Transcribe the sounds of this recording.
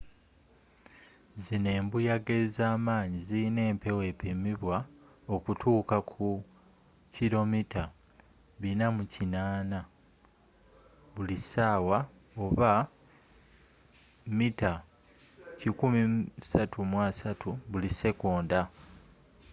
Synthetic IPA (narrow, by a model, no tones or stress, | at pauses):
zine̞ːmbujaɡezaːmaːɲiziine̞ːmpe̞we̞pemiβwa | o̞kutʰuːkakʰu | ciɾo̞mitʰa | βinamucinaːna | βulisaːwa | o̞βa | mita | cikumisatʰumwaːsatʰuβulise̞koːnda